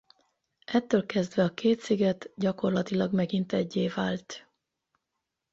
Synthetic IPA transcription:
ʔɛt̪ːøːlkɛzd̪ʋɛɒkʰeːt̪siɡɛt̪ɟɒko̞rlɒt̪ilɒɡmɛɡint̪ɛɟːeːvaːlt̪

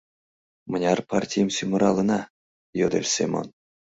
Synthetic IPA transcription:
mə̆nʲɑrpartʲijmsʲymɤ̆ɾɑlˠɤ̆nɑ | jod̪elʲsʲḛmo̰n

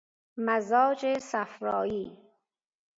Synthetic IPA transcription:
mazɒːd͡ʒesafɾɔːjiː

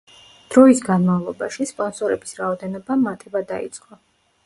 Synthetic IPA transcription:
d̪̥ɾɔisɡanmavlˠɔbaʃispʼɔnsɔɾɛbisɾaɔd̪ɛnɔbamat̪ʰɛbad̪a̰ḭt̪sʼqʼɔ

